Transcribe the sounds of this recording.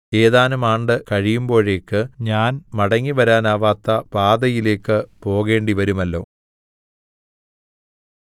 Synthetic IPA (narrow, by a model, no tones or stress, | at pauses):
eːðaːnumaːɳɖɨkɐɻijumbo̞ːɻe̞ːkːɨɲaːnmɐɽɐŋːiʋɐɾaːnaːʋaːt̪ːɐpaːd̪ɐjile̞ːkːɨpo̞ːɣe̞ːɳɖiʋɐɾumɐlːo̞̰ː